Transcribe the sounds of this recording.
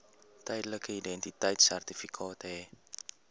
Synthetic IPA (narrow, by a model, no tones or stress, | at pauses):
tɛjdələkəidɛntitəjtsærtifikʰɑːtəɦɛ